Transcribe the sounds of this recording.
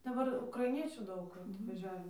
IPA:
dɐˈbɐr ʊkrɐɪˈnʲiɛt͡ʃʲuː ˈdɐʊk ɐtʋɐˈʒʲæːʋʲɛ

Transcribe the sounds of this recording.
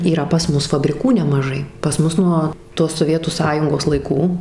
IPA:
iːˈrɐ pɐs ˈmʊs fɐbʲrʲɪˈkuː nʲɛmɐˈʒɐɪ pɐs ˈmʊs nuɔ toːs soːˈʋʲiɛtuː ˈsɑːjʊŋɡoːs lˠɐɪˈkuː

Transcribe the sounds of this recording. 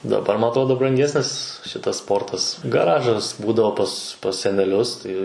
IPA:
dɐˈbɐr mɐˈtɐʊ dɐʊk brɐŋʲˈɡʲæːsʲnʲɪs ˈʃʲɪtɐs ˈspoːrtɐs ɡɐˈrɑːʒɐs ˈbuːdɐʋoː pɐs pɐs sʲɛnʲɛˈlʲʊs ˈtɐɪ

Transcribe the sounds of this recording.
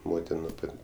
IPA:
ˈmoːtʲɪn nʊ ˈpɐtʲ

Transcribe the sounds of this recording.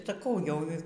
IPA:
sɐˈkɐʊ ˈjɛʊ

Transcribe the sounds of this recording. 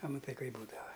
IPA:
ɐ mɐˈtɐɪ ˈkɐɪp ˈbuːdɐʋɐ

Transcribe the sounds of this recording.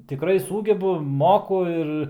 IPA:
tʲɪˈkrɐɪ ˈsuːɡʲɛbʊ ˈmoːkʊ ɪr

